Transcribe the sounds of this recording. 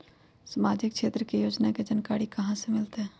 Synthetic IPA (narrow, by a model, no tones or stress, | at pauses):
səmaːd͡ʒɪk̚kʃeːt̪ɾəkejoːd͡ʒnaked͡ʒɐnkaːɽikɐɦãsemɪlt̪eɦɛː